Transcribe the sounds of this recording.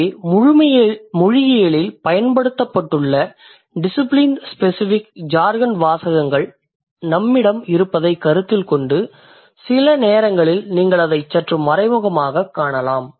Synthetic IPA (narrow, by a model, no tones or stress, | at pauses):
mʊɻʊmɐmʊɻɪɣɪjɐɭɪlpɐjɐnpɐɽɯt̪ːɐpːɐʈːɯɭːɐ | ɖɪsɪplɪnspɛsɪfɪkd͡ʒaːɾɣɐnʋaːsɐɣɐŋɡɐɭ | nɐmːɪɽɐmɪɾɯpːɐðɐɪkːɐɾɯt̪ːɪlkɔɳɖɯ | sɪlɐneːɾɐŋɡɐɭɪlniːŋɡɐɭɐðɐɪt͡ʃːɐʈrɯmːɐɾɐɪmʊɣɐmaːɣɐkːaːɳɐlaːm